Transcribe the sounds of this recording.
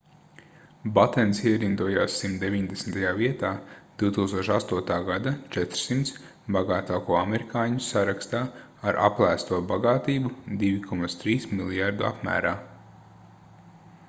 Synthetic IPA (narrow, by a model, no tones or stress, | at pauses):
bat̪ɛnsiɛɾind̪uɔjaːsːimt̪d̪eviɲd̪esmt̪ajaːviɛt̪aːd̪̥iwt̪uːkst̪uɔʃast̪uɔt̪aːɡad̪at͡ʃɛt̪ɾ̥simt̪s | baɡaːt̪aːkuɔameɾikʰaːɲusaɾakst̪aː | aɾʔa̰plˠæːst̪uɔbaɡaːt̪iːbud̪iʋikʰɔmat̪st̪ɾiːsmilˠjaɾd̪ua̰pmæ̰ːɾaː